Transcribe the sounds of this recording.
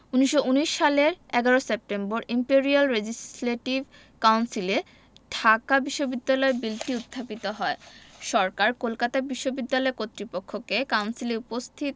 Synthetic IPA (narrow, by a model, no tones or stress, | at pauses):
uniʃouniʃːaleɾɛɡaɾosep̚ʈemboɾimpeɾialɾed͡ʑisleʈib | kawnsile | ɖʱakabiʃːobid̪ːalɔebilʈiut̪ʰːapit̪oɦɔeʃɔɾkaɾkolkat̪abiʃːobid̪ːalɔekot̪ːɾipokʰːokekawnsileupost̪ʰit̪